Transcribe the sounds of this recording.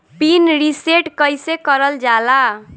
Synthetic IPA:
pinɾiseʈkəjsekəɾəld͡ʒala

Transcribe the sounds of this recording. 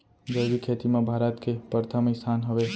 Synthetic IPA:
d͡ʒədikʰet̪imãbʱaɾət̪kʰepəɾt̪ʰamesʰanɦəʋe

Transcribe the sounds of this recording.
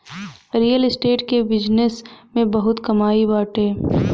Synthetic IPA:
ɾiːjəlɪsʈeːʈkebɪd͡ʒnəsmẽbɐɦʊt̪kɐmaːibaːʈɦeː

